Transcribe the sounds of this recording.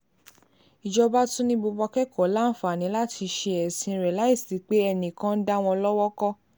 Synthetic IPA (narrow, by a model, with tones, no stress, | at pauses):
i˨d͡ʒɔ˧ba˦tũ˦nĩ˦bo˧bɔ˧kɛ˦kɔ˨˦la˦˨fa˨nĩ˨˦la˦tʰi˧ʃe˧ɛ˨sĩ˧ɾla˨˦i˦˨sti˨˦k͡pe˦ɛ˧nĩ˨kã˦n̩˦da˦˧w̃ɔ̃˧lɔ˦wɔ˦kɔ˦